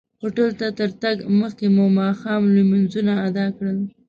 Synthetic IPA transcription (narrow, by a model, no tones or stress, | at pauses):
xoʈəlt̪at̪əɾt̪aɡməxkemomɑxɑmluminzunaːd̪ɑkɽəl